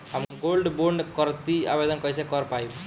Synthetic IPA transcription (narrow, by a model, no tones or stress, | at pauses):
ɦəmɡolɖboɾɳɖkəɾt̪ia̰bed̪ənkʌjsekəɾpaib